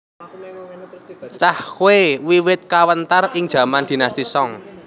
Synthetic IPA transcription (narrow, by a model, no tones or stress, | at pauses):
t͡ʃahwewiwɪt̪̚kawənt̪arɪŋd̥ʒ̥ä̤mand̪̥i̤nast̪isɔŋ